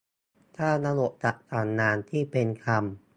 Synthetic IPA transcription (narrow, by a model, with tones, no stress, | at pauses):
t̪ʰaː˥˩na˧lo˨˩ʔt͡ɕa˨˩ʔkaː˨˩nːaː˧nt̪ʰiː˥˩pe˧nkʰa˧m